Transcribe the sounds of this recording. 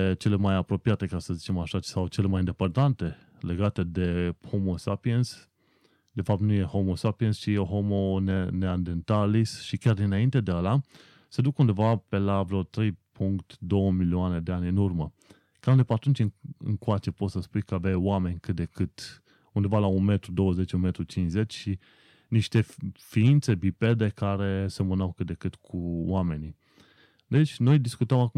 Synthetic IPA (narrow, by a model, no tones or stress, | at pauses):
et͡ʃe̞le̞majapɾo̞piat̪e̞kasəzit͡ʃe̞maʃasawt͡ʃe̞le̞majind̪e̞pərd̪ant̪e̞ | le̞ɡat̪ed̪e̞ho̞mo̞sapiens | d̪e̞fap̚t̪nuje̞ho̞mo̞sapiest͡ʃijeoɦo̞mo̞neneand̪ent̪alisʃikʲjard̪inaint̪ed̪eala | sed̪ukund̪e̞vape̞lavɾeot̪ɾe̞jpʰuŋkt̪d̪o̞wəmilioane̞d̪e̞anʲɨnurmə | kaund̪epat̪ɾunt͡ʃiŋɨ̰ŋkoat͡ʃe̞po̞t̪səspujkəavajwame̞nʲkɨt̪̚d̪e̞kɨt̪ | und̪evalaunme̞t̪ɾud̪o̞wəze̞t͡ʃʲunme̞t̪ɾut͡ʃinsze̞t͡ʃʲʃi | niʃt̪e̞fiint̪se̞bipe̞d̪e̞kaɾe̞semənawkɨt̪̚d̪e̞kɨt̪kʰuwame̞ni | d̪e̞t͡ʃʲno̞jd̪iskut̪əmaku